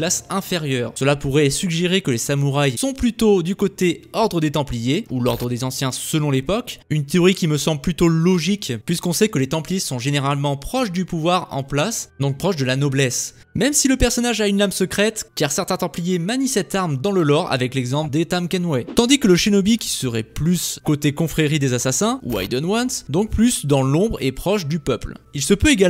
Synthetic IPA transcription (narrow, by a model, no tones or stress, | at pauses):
lasɛ̃feʁjœːʁsəlapuʁɛsyɡʒeʁekəlesamuʁajsɔ̃plyt̪od̪ykot̪eɔʁd̪ʁəd̪et̪ɑ̃plijeulɔʁd̪ʁəd̪ezɑ̃sjɛ̃səlɔ̃lepɔkynt̪eɔʁikʲiməsɑ̃blplyt̪olɔʒikpɥiskɔ̃sɛkəlet̪ɑ̃plijesɔ̃ʒeneʁalmɑ̃pχɔʃd̪ypuvwaʁɑ̰̃plasd̪ɔ̃k̚pχɔʃd̪əlanɔblɛs | mɛmsiləpɛʁsɔnaʒaynlamsəkχɛt̪kaʁsɛʁt̪ɛ̃t̪ɑ̃plijemanisɛt̪aʁmd̪ɑ̃ləlɔʁa̰vɛklɛɡzɑ̃pld̪et̪amkɛnwɛt̪ɑ̃d̪ikələʃenɔbikʲi̥səʁɛ̰plyskot̪ekɔ̃fχeʁid̪ezasasɛ̃ṵa̰jd̪ɔnwansd̪ɔ̃k̚plysd̪ɑ̃lɔ̃bʁḛpχɔʃd̪ypœplilsəpøeɡa